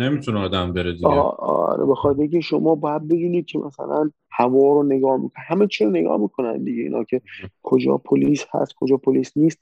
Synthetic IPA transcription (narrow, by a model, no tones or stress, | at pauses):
nemit̪ʰuneɒːd̪æmbeɾed̪iɒ̰ɾḛbexɒt̪ʰeɾiːkʰeʃomɒːbɒːjæd̪̚be̞biːniːd̪̚cʰe̞mʔæ̰sæ̰læn | hævɒːɾone̞ɡɒːhmḭːkʰohæmet͡ʃʰiɾone̞ɡɒ̰ːhmiːkʰo̞næ̰nd̪iɟe̞ḭːnɒ̰ːcʰe̞kʰod͡ʒɒ̰ːpʰoliːshæ̰st̪̚kʰod͡ʒɒːpʰoliːsniːst̪̚